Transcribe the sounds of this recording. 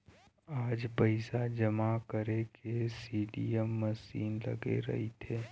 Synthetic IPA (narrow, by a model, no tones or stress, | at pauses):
aːd͡ʒpəɪsad͡ʒɐmakəɾekesiːɖiəmːɐsiːnlɐ̰ɡḛɾɐ̰ɦit̪ʰeː